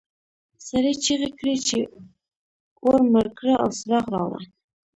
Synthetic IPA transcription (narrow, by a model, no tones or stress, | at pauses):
saɾet͡ʃiɣekɽit͡ʃe | oɾməɾkɽaʔawsɾɑχɾɑ̰wa̰